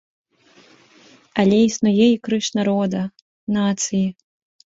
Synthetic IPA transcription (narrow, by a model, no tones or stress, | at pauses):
ɐlʲɛisnujɛikɾɨʂnaɾɔd̪ɐ | nat̪sɨji